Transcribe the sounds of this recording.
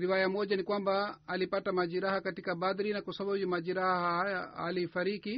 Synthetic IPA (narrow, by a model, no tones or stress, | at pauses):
ɾiwajamɔd͡ʒanikwambaːlipatamad͡ʒiɾahakatikabad̪iɾinakasababimad͡ʒiɾahahajaa̰liːfaɾiki